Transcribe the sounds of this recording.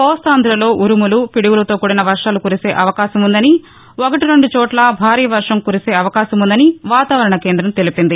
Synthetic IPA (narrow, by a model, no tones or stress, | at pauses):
pɔːst̪aːnd̪ɾɐlo̞ːʔuɾumulupiɽiɡulɐt̪oːkuːɽɐnɐʋɐɾʂaːlukuɾise̞ːʔɐʋɐkaːʃɐmund̪ɐni | okɐʈiɾo̞ɳɖut͡ʃɔːʈlɐbʱaːɾiːjɐʋɐɾʂɐmkuːɾise̞ːɐʋɐkaːʃɐmund̪ɐniʋaːt̪aːʋɐɾɐɳɐkeːnd̪ɾɐmt̪elipind̪i